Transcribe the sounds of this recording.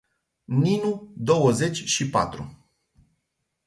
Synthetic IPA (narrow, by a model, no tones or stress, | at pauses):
ninud̪o̞wəze̞t͡ʃʲʃipa̰t̪ɾṵ